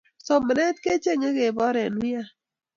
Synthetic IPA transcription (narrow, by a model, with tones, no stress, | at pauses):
sɔ˨mə˨nɛ˦t̪ke˦t͡ʃe˦ŋe˦ke˨bɔ˦ɾɛ˨nwi˦a˦